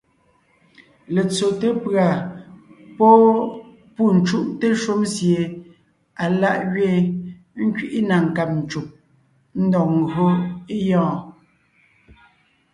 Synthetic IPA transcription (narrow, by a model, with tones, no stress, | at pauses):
le˨t͡so˨te˦pɰa˨ | pɔ˦ | pu˦˨n̩˨t͡ʃu˦ʔte˦ʃu˦msje˨ | a˨la˦˨ʔɣɥe˦˨ | ŋ̩˦kɥi˦ʔi˦na˨ŋ̩˨ka˨p̚n̩˨t͡ʃu˨p̚ | n̩˦dɔ˨k̚ŋ̩˨ɡɰo˦e˦jɔ̃ː˦˨